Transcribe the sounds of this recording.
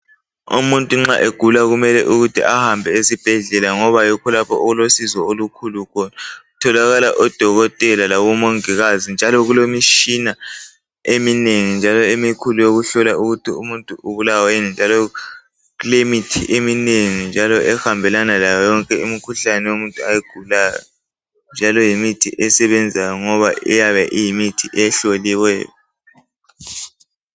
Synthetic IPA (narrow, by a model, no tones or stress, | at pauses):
ṵmuntʼuŋ͡ǁaʔeɡ̥ʱulaɣumɛlɛʔuɣutʰiʔahambʱɛesib̥ʱɛɮɛlaŋɔβajikʰɔlapʰɔ̰ʔuɣulosizɔolukʰulukʰɔnautʰɔlaɣalaʔɔd̥ʱɔɣɔtʼɛlalaɣumoŋiɣazind͡ʒʱalɔɣulomiʃina | emineŋind͡ʒʱalɔemikʰulujoɣuɬɔlaʔuɣutʰiumuntʼuʔuβulawenind͡ʒʱalɔ | ɣulemitʰiʔemineŋind͡ʒʱalɔʔɛxambʱɛlanalajɔjɔŋkʼɛumikʰuɬanɛwomuntʼuajiɡ̥ʱulaːjɔ̰ | nd͡ʒʱalɔjimitʰiʔɛsɛβɛnd͡zʱajɔŋɔβaɛjaβɛʔijimitʰiʔɛɬoliwɛ̰ːjɔ